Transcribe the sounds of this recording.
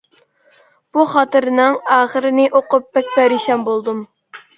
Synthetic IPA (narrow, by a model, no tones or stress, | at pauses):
b̥uχɑt̪ɨɾɨnɪŋɑːχəɾɨnɪʔoqʊp̚bɛk̚ʲpæɾiʃɛmbolˠd̪ɨm